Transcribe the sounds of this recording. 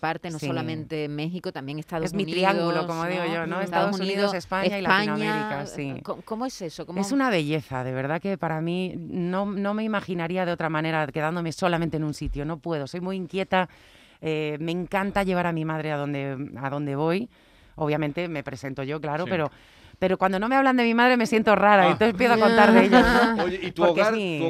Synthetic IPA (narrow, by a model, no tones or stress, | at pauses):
paɾt̪ensosiolamẽnt̪emexikot̪ambjeŋest̪aðezmiɾiaŋɡɡuloko̞moðiɣoʝo̞noest̪aðosn̬suniðose̞spaɲailaaiɲnoamaeɾikasikokomoesesokome̞sunaβ̞e̞ʝe̞θaðeβ̞e̞ɾðake̞paɾamino̞nõ̞me̞imaxinaɾiað̞eo̞t̪ɾamãne̞ɾake̞ðand̪o̞me̞so̞lam̃nt̪enunsit̪jo̞no̞pwe̞ð̞o̞so̞jmujiŋkje̞t̪a | eme̞ŋkant̪aʎe̞β̞aɾamĩmaðɾeaðo̞nd̪e̞aðo̞nd̪e̞β̞o̞j | oβ̞jamẽnt̪e̞me̞pɾe̞se̞nt̪o̞ʝo̞klaɾope̞ɾo̞ | pe̞ɾo̞kwand̪o̞nõ̞me̞aβland̪e̞mĩmaðɾe̞me̞sje̞nt̪o̞raɾaẽnt̪oθepjeθoakont̪aɾðeeʎaoit̪oɾɣkezmi